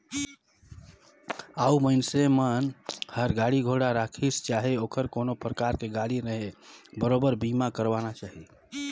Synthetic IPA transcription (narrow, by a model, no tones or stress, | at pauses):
auməɪnsemənhəɾɡaɽiɡʱoɽaɾakʰist͡ʃaɦiokʰəɾkonopɾəkaɾkeɡaɽinəɦebəɾobəɾbimakəɾbanat͡ʃaɦi